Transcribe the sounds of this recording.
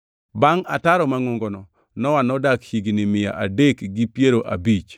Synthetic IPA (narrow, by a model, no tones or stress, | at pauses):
baŋataɾɔmaŋoŋɡonɔ | nɔwanɔdakhiɡnɪmɪja̰ʔadekɡipjeɾoʔa̰bit͡ʃ